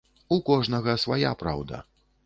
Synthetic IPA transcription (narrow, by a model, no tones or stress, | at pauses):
ukɔʐnɐɣɐsvaja̰pɾa̰wd̪ɐ̰